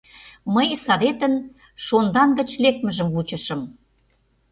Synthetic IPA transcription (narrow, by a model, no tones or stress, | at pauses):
məjsɑd̪et̪ə̆n | ʃond̪ɑnɡə̆t͡ɕlek̪̚mə̆ʒə̆mvut͡ɕə̆ʃə̆m